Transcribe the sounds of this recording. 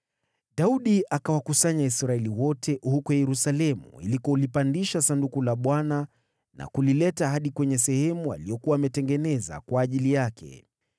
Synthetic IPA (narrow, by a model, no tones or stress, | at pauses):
ɗauɗiʔakawakusaɲaisɾaɛliwɔtʰɛʔhukɔjɛɾusalɛmṵḭlikɔlipandiʃasandukulaɓwana | na̰kulilɛtaɦaɗikwɛɲɛsɛhɛmua̰lijɔkuwaːmɛtɛŋɡɛnɛza̰kwaːʄilijakʰɛ̰